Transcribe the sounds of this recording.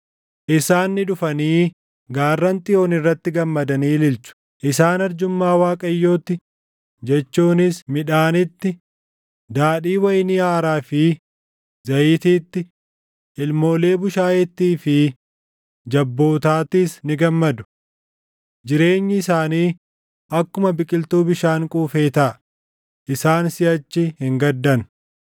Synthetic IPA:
ʔɪsaːnːɪᶑʊfɐniː | ɡaːrːɐnt̪ʼɪjo̞ːnɪrːɐt̪ːɪɡɐmːɐd̪ɐniːlɪlt͡ʃʊ̥ | ʔɪsaːnɐɾd͡ʒʊmːaːwaːkʼɐjːo̞ːt̪ːɪ | d͡ʒɛt͡ʃːuːnɪsmɪᶑaːnɪt̪ːɪ | d̪aːᶑiːwɐjnɪaːɾaːfɪ | zɐjiːt̪iːt̪ːɪ | ʔɪlmo̞ːle̞ːbʊʃaːjɛt̪ːiːfɪ | d͡ʒɐbːo̞ːt̪aːt̪iːsnɪɡɐmːɐd̪ʊ̥ | d͡ʒɪɾe̞ːɲːɪɪsaːniː | ɐkːʊmɐbɪkʼɪlt̪uːbɪʃaːŋkʼuːfe̞ːt̪a | ʔɪsaːnsɪɐt͡ʃːɪhɪŋɡɐd̪ːɐn

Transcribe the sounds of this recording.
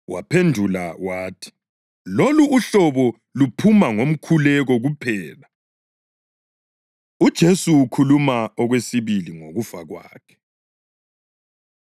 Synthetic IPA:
wa̰pʰendʱula̰waːtʰi̥ | loluːɬɔβɔ | lupʰumaŋom̩kʰulɛɣɔɣupʰɛːla | ud̥ʒ̥ʱesuːkʰulumaɔɣwesiβiliŋoɣufa̰ɣwa̰ːkʰɛ̥

